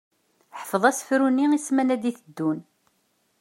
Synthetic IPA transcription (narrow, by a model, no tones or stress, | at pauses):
ħə̥fəðˤæsə̥fɾunːiismænæd̪iθəd̪ːun